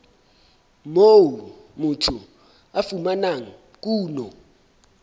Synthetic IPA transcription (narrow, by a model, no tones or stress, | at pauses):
mowu | mutʰu | afumanaŋ̩ | k̬ʼuːnɔ